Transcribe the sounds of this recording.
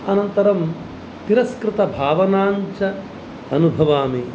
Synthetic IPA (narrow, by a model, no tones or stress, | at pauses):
ɐnɐnt̪ɐɾɐm | t̪iɾɐskɾɪt̪ɐbʱaːʋɐnaːɲt͡ʃɐ | ɐnubʱɐʋaːme